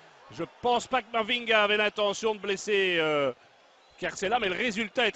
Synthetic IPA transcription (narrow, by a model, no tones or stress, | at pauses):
ʒəpɑ̃spakəmaʁviŋɡaːvɛlɛ̃t̪ɑ̃sjɔ̃d̪əblɛseø | kaʁsɛlamɛləʁezylt̪aɛt̪